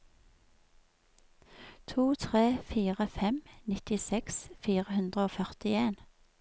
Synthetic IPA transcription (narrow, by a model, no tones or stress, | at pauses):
t̪ʰuːt̪ʰʁeːfiːʁəfɛmnɪt̪ɪsɛksfiːʁəhʉnd̪ʁəoːfœʁt̪ɪeːn